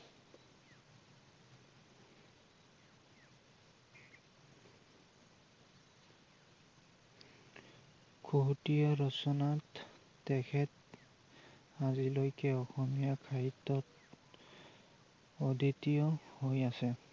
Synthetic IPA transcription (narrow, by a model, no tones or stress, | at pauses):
kʰoɦutijɔɹɔsɔnatː | ɛkʰɛt | azilojkɛɔxɔmijakʰaitɔt | oditijɔhojasɛ